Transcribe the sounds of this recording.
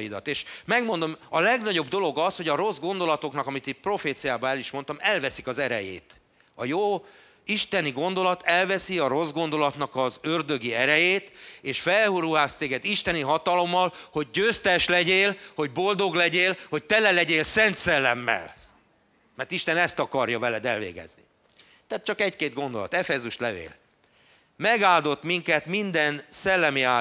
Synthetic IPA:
id̪ɒ̰t̪eːʃmɛɡmo̞nd̪o̞mɒlɛɡnɒɟo̞bd̪o̞lo̞ɡɒsho̞ɟɒɾo̞zɡo̞nd̪o̞lɒt̪o̞knɒkɒmit̪iprofeːt̪sijaːbɒɛliʃmo̞nt̪ɒmɛlvɛsikɒzɛɾɛ̰jḛːt̪ | ɒjoː | iʃt̪ɛniɡo̞nd̪o̞lɒt̪ʰɛlvɛsiɒro̞zɡo̞nd̪o̞lɒt̪nɒkɒzørd̪ø̞ɡiɛɾɛjeːt̪eːʃfɛlhuɾuɦaːst̪seːɡɛd̪iʃt̪ɛniɦɒt̪ɒlo̞mːɒlho̞ɟːøːst̪ɛʃlɛɟeːlho̞ɟbo̞ld̪o̞ɡlɛɟeːlho̞c̚t̪ɛlɛlɛɟeːlsɛnt̪sɛlːɛmːɛ̰l | mɛrt̪iʃt̪ɛnɛst̪ɒkɒrjɒvɛlɛd̪ɛlvḛːɡɛ̰znḭ | t̪ɛat̪̚t͡ʃɒkɛckeːd̪̚ɡo̞nd̪o̞lɒ̰t̪ɛfɛzuʃt̪lɛvḛːl | mɛɡaːld̪o̞t̪miŋkɛt̪mind̪ɛnsɛlːɛmiaː

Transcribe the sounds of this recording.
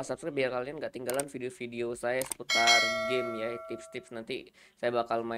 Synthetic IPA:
asapskap̚biarkalianɡaʔt̪iŋɡalanfideofideosajasə̥put̪arɡɪmjat̪ɪpst̪ɪpsnant̪ḭ | sajabakalma

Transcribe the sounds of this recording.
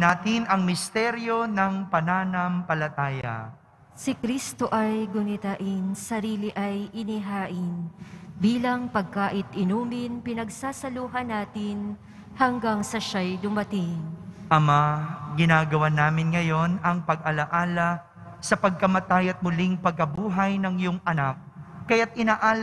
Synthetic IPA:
naːt̪ɪnɐŋmɪst̪ɛɾjo̞nɐŋpɐnaːnɐmpɐlɐt̪aːjɐ̰ | sɪkɾist̪o̞ʔɐjɡʊnɪt̪aʔɪnsɐɾiːlɪʔɐjʔɪnɪɦaːʔɪnbiːlɐŋpɐɡ̚kaːʔɪt̪ʔɪnuːmɪnpɪnɐɡsaːsɐluːɦɐnaːt̪ɪn | hɐŋɡaŋsɐʃajd̪ʊmɐt̪ɪŋʔɐmaɡɪnaːɡɐwanaːmɪnŋɐjo̞nɐŋpɐɡ̚ʔɐlɐʔaːlɐ | sɐpɐɡ̚kɐmɐt̪ajɐt̪̚mʊliŋpɐɡ̚kɐbuːɦɐjnɐŋjʊŋʔɐnak̚ːɐjat̪̚ɪnaːʔaːl

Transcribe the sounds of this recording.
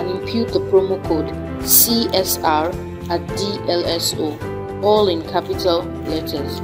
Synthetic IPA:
ãnĩmpʰjut̚d̪əpʰɹomokʰod | siɛsaɹ | atdiʔɛlɛso | ɔlɪ̃nkʰapitʰal | lɛtʰəs

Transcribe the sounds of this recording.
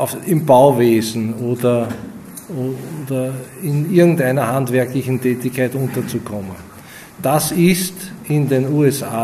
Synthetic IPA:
ɪmbaʊveːzn̩oːdɐ | oːodɐɪnɪɐɡŋ̩tæɪnɐhandvɛɐklɪçn̩tʰɛːtɪçkʰːaɪtʊ̃ntɐt͡sukʰɔmə̃n | d̥asɪstɪndenuːɛsaː

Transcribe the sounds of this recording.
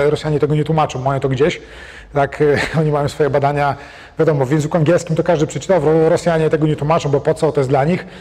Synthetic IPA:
ɾɔsʲjaɲɛt̪ɛɡɔɲɛt̪wumat͡ʂɔ̃w̃mɔjɔ̃w̃t̪ɔɡd͡ʑeɕ | t̪akɔɲimajɔ̃w̃sfɔjɛbad̪aɲa | vʲad̪ɔmɔvʲjɛnzikuaŋɡʲjɛlskʲimt̪ɔkaʐd̪ɘpʂɛt͡ʂɘ̥t̪avɾɔɾɔsʲjaɲɛt̪ɛɡɔɲɛt̪wumat͡ʂɔ̃w̃bɔpɔt̪sɔt̪ɔjɛsd̪laɲix

